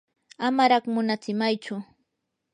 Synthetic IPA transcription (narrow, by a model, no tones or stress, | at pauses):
amaɾɑχmʊnat͡sɪmajt͡ʃʊ